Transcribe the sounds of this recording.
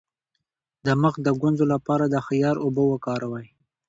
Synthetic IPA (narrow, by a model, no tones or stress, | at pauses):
d̪əməxd̪əɡanzolapɑɾad̪əxijɑɾʊbəwəkɑɾawəj